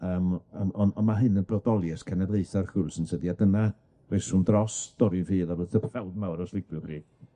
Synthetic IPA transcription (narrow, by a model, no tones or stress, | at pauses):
əːmɔnɔnmaɦɨnənbrɔdɔlˠjɛskʰanɛdlˠeɨθarɬʊlˠsənsədiadəna | resʊndrɔsd̥ɔɾɨnfiːðaɾəðθəpʰɛwdmawɾɔslˠɪbjʊχri